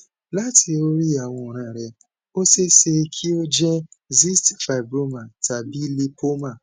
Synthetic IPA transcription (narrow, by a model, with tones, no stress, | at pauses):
la˦tʰi˧o˦ɾi˦a˨w̃ɔ̃˧˨ɾ̃ã˨ɾɛ˧ | o˦se˦se˧kʰi˦o˦d͡ʒɛ˦zi˦stfa˨bɾo˦mã˨tʰa˨bi˦li˧pʰo˦mã˦˨